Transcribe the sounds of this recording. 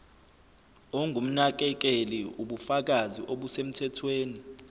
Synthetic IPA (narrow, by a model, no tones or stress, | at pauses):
ɔŋɡʱum̩nak̬ɛk̬ɛliuɓufak̬aziʔoɓusem̩tʰɛtʰweːni